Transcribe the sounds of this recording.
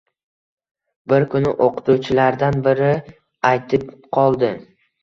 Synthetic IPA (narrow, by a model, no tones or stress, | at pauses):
bɪɾkʰʊnɪʔoqɨ̥t̪ut͡ʃʰɪlaɾd̪anbɪɾɪ | ajt̪ʰɪpqʰɒlˠd̪ɪ